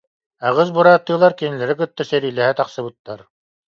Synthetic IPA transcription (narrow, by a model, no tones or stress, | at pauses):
aʁɯs̬buɾaːt̪ːɯːlˠaɾkinilɛɾikɯt̪ːasɛɾiːlɛɦɛt̪aqsɯbɯt̪ːaɾ